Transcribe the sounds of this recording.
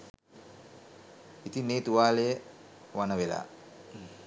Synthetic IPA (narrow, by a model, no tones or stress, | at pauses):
it̪ineːt̪uʋaːlejə | ʋanəʋela̰ː